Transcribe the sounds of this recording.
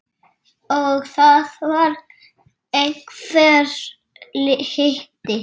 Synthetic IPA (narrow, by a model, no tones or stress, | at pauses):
ɔɣθaðvaɾ | ekfɛɾ | lɪhɪht̪ɪ